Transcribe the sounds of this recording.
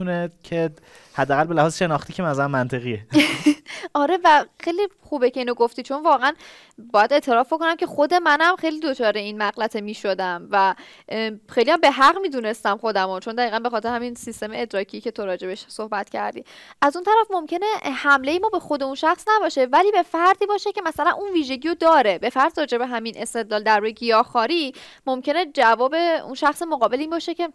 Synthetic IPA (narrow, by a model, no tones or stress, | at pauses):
unecʰe | hæd̪ːæɣælbelæhɒːzʃe̞nɒːxt̪iːcʰemæzɾæmːænt̪ʰe̞ɣie | ɒːɾe̞væxejlixuːbece̞iːnoɡoft̪iːt͡ʃʰo̞nvɒːɣeæn | bɒːjæd̪e̞t̪ʰe̞ɾɒːfbo̞ko̞næmce̞xo̞d̪e̞mænæmxe̞jliːd̪ot͡ʃʰɒːɾe̞inmæɣlæt̪ʰemiːʃod̪æmvæ | xejlihæmbe̞ɦæʁmiːd̪uːne̞st̪æmxo̞d̪æmot͡ʃʰo̞nd̪æɣiːɣænbe̞xɒːt̪ʰe̞ɾehæminsist̪e̞meed̪ɾɒːcʰiːce̞t̪ʰoɾɒːd͡ʒe̞beʃsohbæt̪cʰæ̰ɾd̪ḭːʔæzunt̪ʰæɾæfmo̞mcʰe̞ne̞hæmlejemɒːbexo̞d̪e̞unʃæxsnæbɒːʃe̞væliːbe̞fæɾd̪iːbɒːʃecʰe̞mæsælænunviːʒe̞ɟʲiːɾod̪ɒːɾe̞be̞fæɾd̪rɒːd͡ʒe̞beɦæminʔe̞st̪e̞d̪lɒːld̪æɾɾujeɡijɒːxɒːɾimomcʰe̞ne̞d͡ʒævɒːbe̞ṵnʃæxsemoɣɒːbeliːnbɒːʃecʰe̞